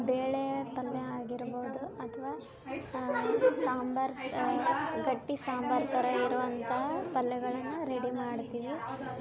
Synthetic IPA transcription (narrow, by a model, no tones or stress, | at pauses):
beːɭepɐlːeaːɡiɾboːud̪uɐt̪ʰɐʋaː | saːmbɐɾ | ɡɐʈːisaːmbɐɾt̪ɐɾɐiɾuʋɐnt̪ʰɐɦɐpɐlːɛɡɐɭɐnːuɾeɽimaːɽt̪iːʋi